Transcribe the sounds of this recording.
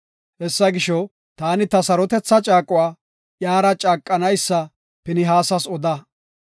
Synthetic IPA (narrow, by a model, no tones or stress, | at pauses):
hɛsːɐɡɪʃɔ | t̪aːnɪt̪ɐsɐɾɔt̪ɛt͡sːɐt͡ʃʼaːkʼʊwaː | jaːɾɐt͡ʃʼaːkʼːɐnɐjsːɐ | pɪnɪɦaːsɐsɔd̪ɐ